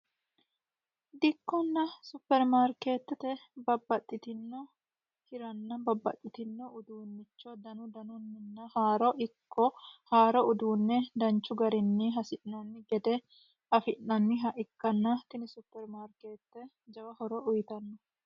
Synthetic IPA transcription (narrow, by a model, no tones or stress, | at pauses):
d̪ɪkːɔnːɐsʊpːɛɾmaːɾkeːt̪ːɛt̪ɛbɐbːɐt̪ʼːɪt̪ɪnːɔ | hɪɾɐnːɐbɐbːɐ̰t̪ʼːɪt̪ɪnːɔʊd̪uːnːɪt͡ʃːɔd̪ɐnʊd̪ɐnʊnːɪnːɐhaːɾɔʔɪkʰːɔhaːɾɔʊd̪uːnːɛd̪ɐnt͡ʃːʊɡɐɾɪnːɪɦɐsɪʔɐnːɪɡɛd̪ɛ | ʔɐfɪʔːɐnːɪɦɐʔɪkːɐnːɐt̪ɪnɪsʊpːɛɾmaːɾkeːt̪ːɛ | d͡ʒɐwɐhɔɾɔʊjt̪ɐnːɔ